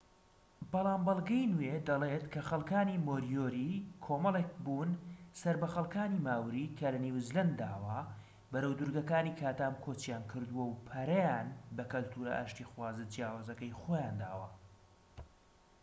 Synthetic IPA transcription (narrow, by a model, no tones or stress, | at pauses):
bɑlˠaːmbɐlˠɡɐjnuwed̪ɐlet̪kʰɐxɐlˠkaːnimoːɾijoːɾikʰoːmɐlˠek̚buːnsɐɾbɐxɐlˠkaːniːmaːwɾiːkʰɐlɐniwzlɐnd̪aːwɐ | bɐɾɐwd̪uɾɡɐkaːniːkʰaːt̪aːmkʰoːt͡ʃjaːnkʰɨɾd̪uwɐwpʰɐɾɐjaːnbɐkɐlt̪ʰuːɾɐ̰ʔa̰ːʃt̪ixwaːzɨd͡ʒjaːwaːzɐkɐjxoːjaːnd̪a̰ːwɐ